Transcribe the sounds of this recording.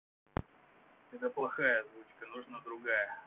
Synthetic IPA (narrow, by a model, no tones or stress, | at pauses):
ɛt̪əplˠɐxajəzvut͡ɕkənʊʐnad̪ɾʊɡajə